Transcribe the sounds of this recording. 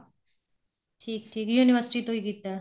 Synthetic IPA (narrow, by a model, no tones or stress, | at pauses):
ʈʰiːk̚ʈʰiːkjuːnɪʋəɾsɪʈit̪oikiːt̪a